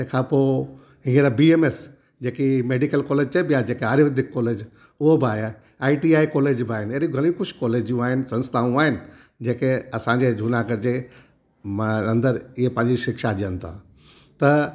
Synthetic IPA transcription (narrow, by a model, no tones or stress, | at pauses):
d͡ʑɐ̃ːkʰãpo | ɦĩːəɾabieːmes | d͡ʑeːkimeːɖikəlkɔːleːd͡ʑt͡ɕɐbijad͡ʑeːkeɦaːɾiʋɐd̪ʱɪkːɔːleːd͡ʑ | ʊɦobɪaːja | aːiʈiːaːikɔːleːd͡ʑbɪaːɦɪnɪeːɾĩɡʱɐl̃ĩxʊʃkɔːleːd͡ʑjũaːɦɪnɪ̆sɐ̃nst̪ʰaːũaːɦɪnɪ̆ | d͡ʑeːkeɐsãɲd͡ʑed͡ʑʱuːnakɐɾɪd͡ʑe | mɐ̃nd̪əɾɪɦepɐ̃ɦɪ̃ɲd͡ʑiʃɪkʃaʄijənɪt̪ʰã̰ | t̪ɐ